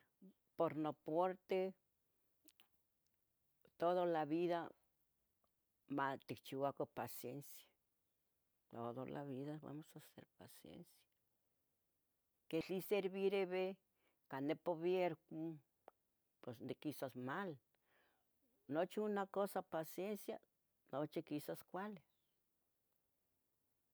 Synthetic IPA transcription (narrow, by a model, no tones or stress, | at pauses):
poɾnopoɾt̪e | t̪oðolaβiða | mat̪ikt͡ʃiwakopasjensjḁ | t̪oðolʔa̰βiðaβa̰mosasḛɾpa̰sjḛnsjḁ | ket͡ɬiseɾβiɾeβe | kanːepoβjeɾku | pwesnekisasmal | not͡ʃiunakosapasjensja̰ | not͡ʃikisaskʷale